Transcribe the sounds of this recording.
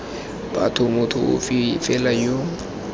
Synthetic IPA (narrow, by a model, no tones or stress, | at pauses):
b̥a̰tʰʊmʊtʰʊʊ̰fifɛlajo